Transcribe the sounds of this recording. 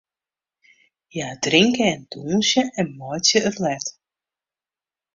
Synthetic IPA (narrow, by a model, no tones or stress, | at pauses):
jaːdrɪŋkəɛnduːnsjəʔɛnmɔjtjəərlɛt